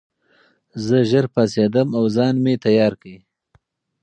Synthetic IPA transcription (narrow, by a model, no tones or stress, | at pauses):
zəʒəɾpased̪əmawzɑːnmet̪ajɑːɾkəi